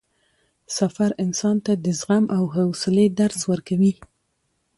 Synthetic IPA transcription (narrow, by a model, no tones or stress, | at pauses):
safaɾɪnsɑnt̪ad̪əzɣamʔawɦawsɪled̪aɾswəɾkawi